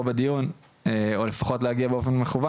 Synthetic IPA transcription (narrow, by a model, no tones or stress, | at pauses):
bed̪ijun | eole̞faχo̞tlehaɡiabeo̞fe̞nmeχuva